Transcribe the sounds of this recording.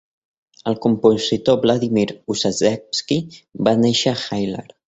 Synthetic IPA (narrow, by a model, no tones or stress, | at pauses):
əlˠkumpuzit̪oblaðimiɾusazɛpskibaneʃəxajlḛɾ